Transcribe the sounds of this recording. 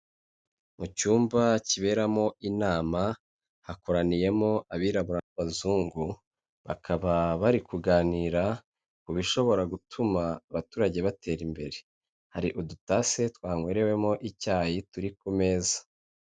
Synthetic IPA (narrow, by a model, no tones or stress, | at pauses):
mucuːmbaciβe̞ɾamo̞ʔinaːma | hako̞ɾanije̞mo̞aβiːɾaβuɾanaβazuːŋɡu | βa̰kʰaβaβaɾikuɡaːniːɾa | kuβiʃo̞βo̞ɾaɡutʰumaːβatuːɾaɟe̞βatʰe̞ːɾimbe̞̰ɾe̞ | haɾiʔudutase̞twaːŋwe̞ːɾe̞we̞mo̞ʔicaːjituɾikume̞ːzḁ